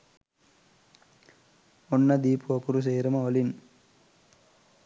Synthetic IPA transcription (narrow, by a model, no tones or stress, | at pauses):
ɔnːɐd̪iːpuɐkuɾus̬eːɾɐmɐolin